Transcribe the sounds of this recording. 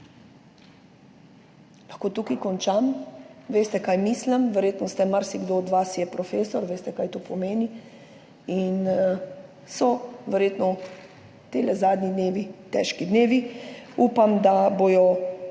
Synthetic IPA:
laxkoːt̪ukikɔnt͡ʃamʋeːst̪ɛkaːjmisləmʋɛɾjeːt̪nɔst̪ɛmaɾsiɡd̪oːɔd̪ʋasjɛpɾɔfeːsɔɾʋeːst̪ɛkaːjt̪opɔmeːni | in | sɔʋɛɾjeːt̪nɔ | t̪elɛzaːd̪nid̪neːʋit̪ɛ̰ːʃkid̪neːʋiupamd̪aboːjɔ

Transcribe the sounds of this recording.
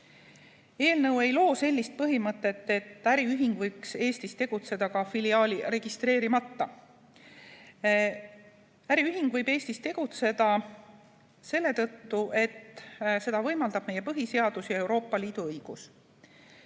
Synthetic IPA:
e̞ːlnɤwe̞jlo̞ːse̞lʲːist̪̚pɤɦimɤt̪ːˑe̞t̪ːe̞t̪ːˑæɾiyɦiŋɡ̥vɤjkse̞ːst̪ist̪e̞ɡ̥ut̪se̞d̪ɑkɑfiliɑːliɾe̞ɡ̥ist̪re̞ːɾimɑt̪ːɑ | æɾiyɦiŋɡ̥vɤjbe̞ːst̪ist̪e̞ɡ̥ut̪se̞d̪̥ɑ | se̞lːe̞t̪ɤt̪ːuʔe̞t̪ːse̞d̪ɑvɤjmɑld̪̥ɑb̥̚mejːe̞pɤɦise̞ɑd̪̥usijɑe̞wɾo̞ːpːˑɑliːd̪̥uɤjɡ̥us

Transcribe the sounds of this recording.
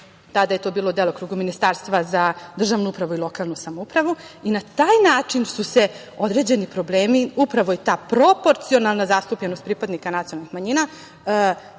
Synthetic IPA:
t̪ad̪aje̞t̪o̞ːbiːlˠo̞d̪elˠokɾuːɡuminist̪aːɾst̪ʋazad̪r̩ʒaʋnuupɾaʋuilˠo̞kaːlˠnusamoupɾaʋuinat̪aːjnaːt͡ʂinsuse̞ | o̞d̪ɾe̞d͡ʑe̞nipɾo̞ble̞ːmiupɾaʋo̞it̪aːpɾo̞po̞ɾt̪sio̞nalˠnazast̪upʎenost̪pɾipad̪nikanat̪sijonalnixmaɲiːna

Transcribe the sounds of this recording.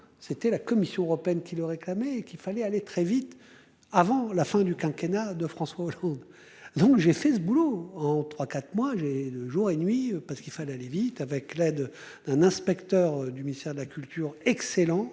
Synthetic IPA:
set̪ɛlakɔmisjɔ̃øʁɔpeɛnkʲiləʁeklamɛːkilfalɛalet̪χɛvit̪ | avɑ̃lafɛ̃d̪ykɛ̃kʲenad̪əfχɑ̃swaɔlɑ̃d̪ | d̪ɔ̃kʒefɛsəbuloɑ̃t̪χwakat̪χmwaʒeəʒuʁenɥipaʁsə̥kilfalɛalevit̪avɛklɛd̪ | d̪̥ɛ̃nɛ̃spɛkt̪œʁd̪yminist̪ɛʁd̪əlakʲylt̪ʰyʁɛkselɑ̃

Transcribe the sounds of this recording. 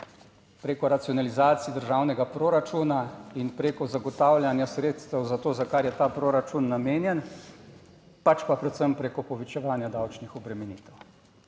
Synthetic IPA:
pɾeːkɔɾat̪siɔnalizaːt̪sid̪əɾʒawnɛɡapɾoːɾat͡ʃuːnainpɾeːkɔzaɡɔt̪aːwlʲjanjasɾeːt̪st̪ɛwzat̪oːzakaɾjɛt̪aːpɾoːɾat͡ʃunːameːnjɛn | pat͡ʃpapɾɛt̪səmpɾekɔpɔʋɛt͡ʃɛʋaːnjad̪awt͡ʃnixɔbɾɛmɛnḭːt̪ɛw

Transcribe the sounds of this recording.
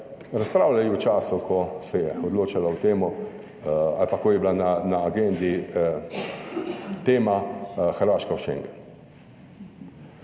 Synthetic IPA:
ɾaspɾaːwlajiwt͡ʃaːsukʰɔsɛjɛɔd̪loːt͡ʃalawt̪eːmɔ | a̰lpakɔjɛblananaːɡend̪i | t̪eːmaxəɾʋaːʃkawʃḛŋɡɛn

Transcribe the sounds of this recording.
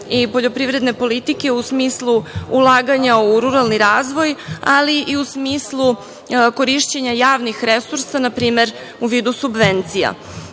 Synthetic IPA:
ipo̞ʎo̞pɾiʋɾe̞d̪ne̞po̞lit̪ike̞usmiːslˠuːlˠaːɡaɲauɾuɾalniɾaːzʋo̞jaliʔiusmiːslˠu | ko̞ɾiʃt͡ɕeɲajaːʋnixɾesuɾsanapɾiːme̞ɾ | uʋiːd̪usubʋent̪sija̰

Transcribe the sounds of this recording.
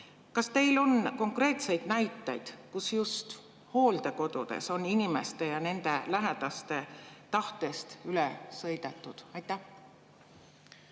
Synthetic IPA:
kɑst̪e̞jlo̞nko̞ŋkre̞ːt̪se̞jd̪̥næjt̪ːˑejd̪̥kusjust̪ | ho̞ːld̪̥e̞ko̞d̪̥ud̪̥ḛso̞ninime̞st̪e̞jɑne̞nd̪̥e̞læɦed̪̥ɑst̪e̞t̪ɑht̪e̞st̪ylesɤ̞jd̪̥et̪ˑːud̪̥ɑjt̪ːˑæh

